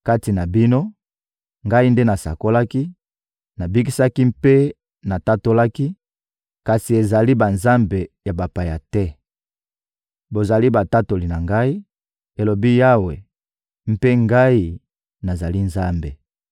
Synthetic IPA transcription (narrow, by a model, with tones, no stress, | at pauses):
ka˦ti˨na˨bi˦no˦ | ŋɡa˦i˦nde˦na˨sa̰˨ko˦la˦ki˦ | na˨bi˦ki˦sa˦ki˦mpe˦ | na˨ta˦to˦la˦ki˦ | ka˨si˨e˨za˨li˦ba˨nza˦mbe˨ja˨ba˨pa˨ja˨tɛ˦ | bo˨za˨li˦ba˨ta˦to˨li˨na˨ŋɡa˦i˦ | e˨lo˨bi˦ja˦we˨ | m̩˦pe˦ŋɡa˦i˦ | na˨za˨li˦nza˦mbe˨